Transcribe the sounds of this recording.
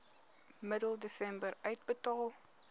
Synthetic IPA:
mɪdl̩ˠdisɛ̃mbəɾəɪt̚bətɔlˠ

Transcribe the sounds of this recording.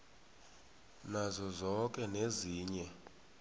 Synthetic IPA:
nazɔzɔk̬ʼɛneziːɲɛ

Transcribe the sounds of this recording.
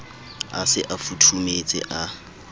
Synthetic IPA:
asɪʔafutʰumet͡sʼɪ̰ʔa

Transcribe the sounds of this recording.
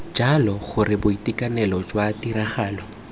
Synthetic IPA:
d͡ʒalɔχʊrɪbʊitʼikʼanɛlɔd͡ʒwatiɾaχaːlɔ

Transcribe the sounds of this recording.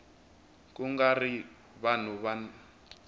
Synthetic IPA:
kʼuŋɡari | βan̤uβan

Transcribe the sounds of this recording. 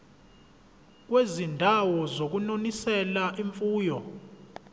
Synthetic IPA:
k̬wezindʱawɔzok̬unonisɛlaʔiɱfuːjɔ

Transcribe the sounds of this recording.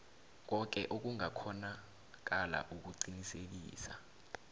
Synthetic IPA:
k̬ɔk̬ɛʔok̬uŋakʰɔna | k̬ala̰ʔuk̬uǀinisek̬ḭːsa̰

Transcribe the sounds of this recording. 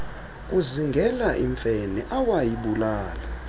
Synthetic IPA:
kʼuziŋɡʱɛlaʔiɱfɛnɛʔawajiɓulaːla

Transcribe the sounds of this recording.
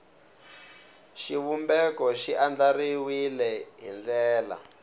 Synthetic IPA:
ʃiβumbɛkɔʃiʔand͡ɮariwilɛɦḭnd͡ɮɛːla̰

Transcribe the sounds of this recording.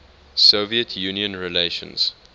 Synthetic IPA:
soviətʰjuniə̃nɹileʃə̰̃nz̥

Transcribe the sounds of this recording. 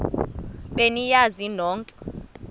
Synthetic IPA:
ɓenijazinɔːŋǀʼɔ̥

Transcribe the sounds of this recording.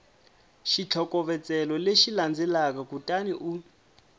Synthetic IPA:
ʃit͡ɬʰɔkɔβɛt͡sʼɛlɔleʃiland͡zɛlakakutʼaniʔu

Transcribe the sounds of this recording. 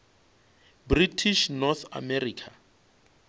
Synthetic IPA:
britʰiʃnɔθa̰mɛriːkʰa

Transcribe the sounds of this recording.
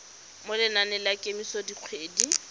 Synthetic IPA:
mʊlɪnanɪlakʼɪmisodiq͡χʰweːdi

